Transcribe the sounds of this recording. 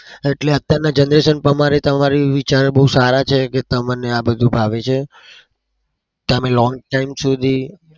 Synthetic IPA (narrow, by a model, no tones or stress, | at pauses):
eʈleət̪jaɾnad͡ʒənd̪ɾesənpəmaɾet̪əmaɾiʋit͡ʃaɾebəɦusaɾat͡ʃʰeket̪əmaneabəd̪ʱũbʱaʋet͡ʃʰe | keəmelɔ̃ŋɡ̚ʈaimsud̪ʱi